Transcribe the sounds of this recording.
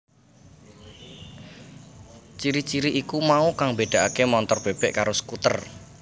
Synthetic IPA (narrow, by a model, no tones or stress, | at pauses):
t͡ʃiɾit͡ʃiɾiʔikumaukaŋmbeɖ̥a̤ʔakemɔnt̪ɔrb̥e̤b̥ɛʔkaɾosə̥kut̪ər